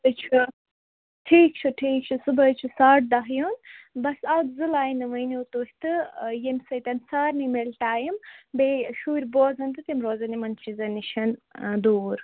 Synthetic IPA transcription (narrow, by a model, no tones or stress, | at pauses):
t̪ɨt͡ʃʰɨ | ʈʰiːk̚t͡ʃʰɨʈʰiːk̚t͡ʃʰɨsɨbɐjt͡ʃʰisaːʈ̚d̪ɐɦjunbɐsɐd̪zɨlaːjnɨmɐjniut̪uhʲit̪ɨjemsɐjt̪ɐnsaːɾnimelʈaːjimbeːʃuːɾʲboːzɐnt̪ɨt̪imɾoːzɐnimɐnt͡ʃʰizɐniʃʰɐnd̪uːɾ